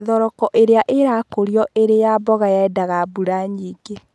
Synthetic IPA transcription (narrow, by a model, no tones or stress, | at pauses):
ðɔɾɔkɔʔeɾeaʔeɾakoɾiɔʔeɾejabɔɣajaɛdaɣabuɾaɲiːɡe